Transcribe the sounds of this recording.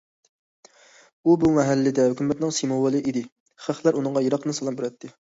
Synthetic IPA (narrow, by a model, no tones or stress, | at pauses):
ubumɛɦælːɪd̪ɛhykʲymɛt̪nɪŋsimowəlˠɨʔid̪ɪ | χæχlˠæɾunɨŋʁɑjeɾɑqɨnɨsɑlˠɑmbyɾɛt̪ʰːɪ